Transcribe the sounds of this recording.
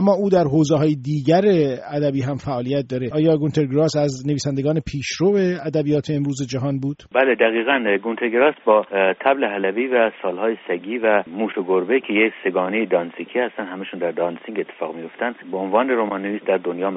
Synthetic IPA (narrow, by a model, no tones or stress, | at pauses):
æmːɒːʔuːd̪æɾɦoːzeɦɒːjed̪iːɟæɾeæd̪æbiːɦæmfæʔɒːlijæt̪̚d̪ɒːɾeʔɒːjɒːɡunt̪ʰeɾɡɾɒːsæzne̞viːsænd̪eɡɒːne̞pʰiːʃɾoːve̞æd̪æbijɒːt̪ʰeːmɾuːzed͡ʒæɦɒːnbuːd̪̥bæled̪æɣiːɣænɡunt̪ʰeɾɡeɾɒːsbɒːt̪ʰæbleɦælæviːvæsɒːlhɒːjesæɡiːvæmuːʃoɡoɾbecʰejekʲse̞ɡɒːnejed̪ɒnsicʰiːhæst̪ænd̪hæmæʃuːnd̪æɾd̪ɒnsiŋɡe̞t̪ʰːe̥fɒːɣmijo̞ft̪ænd̪beonvɑːneɾomɑnːeviːsd̪æɾd̪onjɒːm